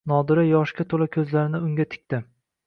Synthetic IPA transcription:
nɒd̪ɪɾajɒʃkʲat̪ʰolakʲʰɵzlaɾɪnɪʊŋɡʲat̪ʰɪ̥k̚ʲt̪ɪ

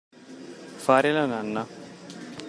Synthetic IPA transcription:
faːɾelananːa

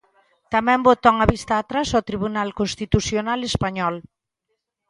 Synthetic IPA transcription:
t̪amɛ̃mbot̪ɔŋaβist̪aːt̪ɾasot̪ɾiβunalkonst̪it̪usjonalespaɲɔl

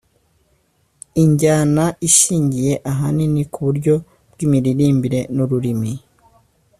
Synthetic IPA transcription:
iɲɟaːnaiʃiːɲɟije̞ʔaɦaninikuβuɾɟo̞ | b̥ɡiːmiɾiɾiːmbiɾe̞nuɾuɾimi

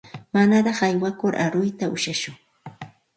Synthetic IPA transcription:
manaɾɑχajwakʊɾʔa̰ɾʊjt̪aʊʃaʃʊŋ

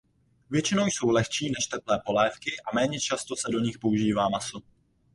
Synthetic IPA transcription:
vjɛt͡ʃɪnowjso̞wlɛxt͡ʃiːnɛʃt̪ɛplɛːpo̞lɛːfkɪʔamɛːɲɛt͡ʃast̪o̞sɛdo̞ɲɪxpo̞uʒiːvaːmaso

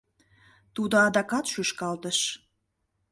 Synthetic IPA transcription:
t̪ud̪oɑd̪ɑkɑt̪ʃyʃkɑlt̪əʃ

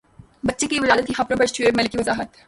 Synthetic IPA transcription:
bɐtːʃekiʋɪlaːd̪ət̪kixɐpɾopesʈʰueɾmɐlkiʋɐzaːɦət̪

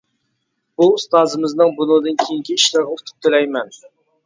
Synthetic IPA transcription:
b̥ust̪ɑːzɨmɨznɨŋbunud̪ɨnkʲʰejiŋkʲiiʃlɪɾʁəʊt̪ʰʊ̥p̚t̪ʰelɛjmɛn

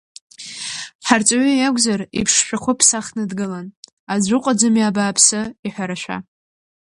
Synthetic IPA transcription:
ħart͡sʷʼaɥijaɡʷzarḭpʰʂʃʷᶣaχʷʊpʰsaχnɨdɡɨlan | azʷʊqʷʼad͡zɨmjabaːpʰsɨiħʷᶣaɾaʃᶣʷa̰

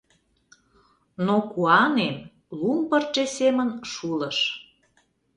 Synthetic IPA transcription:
nokuɑnem | lumpərt͡ʃesemənʃulə̆ʃ

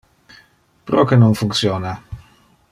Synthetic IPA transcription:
pɾɔkenonfuŋt̪sjɔːna

